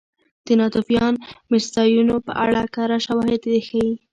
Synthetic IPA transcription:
d̪̥ənɑt̪ufjɑnmɪst̪ɑjunopə̰ʔa̰ɽakaɾaʃawɑhɪd̪d̪exawi

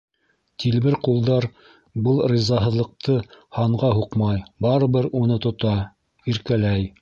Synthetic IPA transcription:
t̪ʰilβɘɾqulˠd̪ɑɾ | bɤlˠrʲizɑɦɤ̆ðlˠɤ̆q̚t̪ʰɤhɑɴʁɑɦuqmɑjbɑɾɤ̆βɘɾunɤt̪ŏt̪ɑ | iɾkælæj

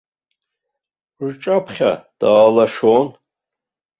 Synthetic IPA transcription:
ʐʈ͡ʂʼapʰχʲa̰d̥aːlaʂon

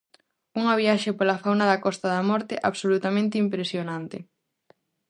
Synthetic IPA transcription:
uŋɐβjaʃepolafawnaðɐkɔst̪aðamɔɾt̪ɪʔaβsolut̪amẽnt̪ɪimpɾesjonãnt̪ɪ

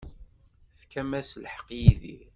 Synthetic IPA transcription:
θkæmæslħə̥qːjiðḭ

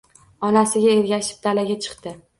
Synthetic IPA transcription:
ɒnasɪɡʲaeɾɡʲaʃɪ̥p̚d̪alaɡʲat͡ʃʰɨ̥qt̪ɪ

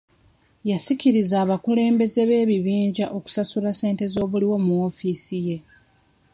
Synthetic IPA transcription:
jasiciɾizaːβakule̞ːmbe̞ze̞βe̞ːβiβiːɲɟaʔo̞ku̥sasulase̞ːnte̞zo̞ːβuliwo̞muo̞fiːsije̞

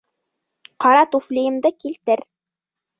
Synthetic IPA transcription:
qɑɾɑt̪uflʲijɘ̆md̪ɤkilt̪ɘɾ

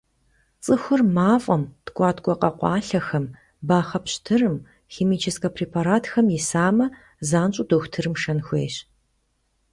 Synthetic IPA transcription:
t͡sʼɨxʷʊrmaːfʼɐmtkʷʼɑːtʰkʷʼɔqʼɐqʷɑːɬɐxɐm | baːχɐpɕtʰɨrɨm | xeːmiːt͡ʃʰɪskʼɐpʰreːpʰaɾaːtʰxɐmjɪsaːmɐ | zaːnt͡ʃʼʊdoxʷtʰɨrɨmʂɐnxʷḛːɕ

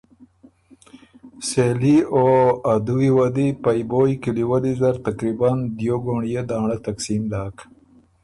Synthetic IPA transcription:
selioad̪uwiwad̪ipajbojkiliwalizɐɾt̪akɾiband̪joɡoɳjed̪aːɳat̪aksimlaːk

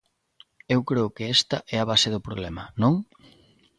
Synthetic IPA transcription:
ewkɾeʊkɪest̪ɐʔɛaβaseðʊpɾo̰βlɛmɐnõŋ

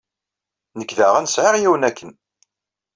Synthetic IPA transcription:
nəkːðæʁænsʕɪʁjiwənækːən

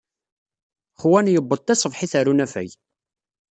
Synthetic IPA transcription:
χwænjəbːəd̪̚ˤt̪ːæsˤəvħiθæɾunæfæ̰j

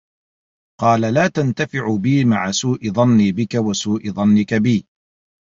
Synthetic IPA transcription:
qɑːlalaːt̪ant̪afɪʕʊbiːmaʕasuːʔɪðˤɑnːiːbɪkawasuːʔɪðˤɑnːɪkabiː

